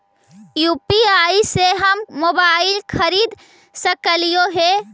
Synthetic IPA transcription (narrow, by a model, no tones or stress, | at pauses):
juːpiaːiseɦəmːoːbaːɪlkʰəɾiːd̪ | səkəlijoɦe